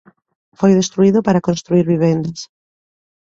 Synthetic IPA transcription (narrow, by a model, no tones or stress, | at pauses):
fojðest̪ɾuiðʊpaɾakonst̪ɾuiɾβiβ̞end̪as